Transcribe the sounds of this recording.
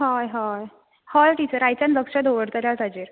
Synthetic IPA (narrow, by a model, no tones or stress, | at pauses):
ɦajɦaj | hajʈit͡ɕəɾajt͡ɕãnləkʂad̪oʋəɽt̪əɾjat̪ad͡ʑeɾ